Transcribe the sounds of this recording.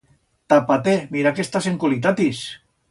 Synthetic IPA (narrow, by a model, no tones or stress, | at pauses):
t̪apat̪emiɾakest̪aseŋkalit̪at̪is